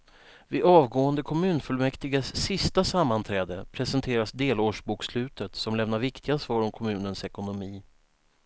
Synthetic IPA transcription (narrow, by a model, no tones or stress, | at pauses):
vɪʔɑːvɡoːənd̪əkʰɔmʉ̟ːnfɵlmɛkt̪ɪɡəsːɪst̪asamːant̪ʰɾɛːd̪əpʰɾɛsənt̪ʰeːɾasd̪eːloːʂbuːkslʉ̟ːt̪ət̪sɔmlɛvn̪aɾvɪkt̪ʰɪɡasvɑːɾɔmkʰɔmʉ̟ːnənsɛkʊnʊmiː